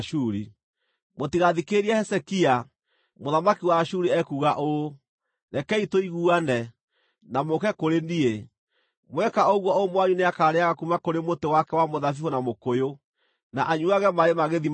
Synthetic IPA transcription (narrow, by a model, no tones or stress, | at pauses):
ʃuːɾi | motiɣaðikeɾiahɛsɛkia | moðamakiwaʃuɾiɛkuːɣaʔo | nɛkɛitoiɣuːanɛ | namokɛkoɾenie | mwɛkaoɣwɔomwaɲuneakaːɾeaɣakumakoɾemotewakɛwamoðafifonamokojo | naʔaɲuaɣɛmaɾemaɣeði